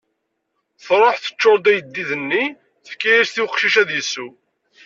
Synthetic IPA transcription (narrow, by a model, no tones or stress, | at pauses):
θɾˤoħθə̥t͡ʃːoɾˤd̪æjəd̪ːiðənːi | θə̥kːæjiɾsθiwəqʃiʃæðjəsːu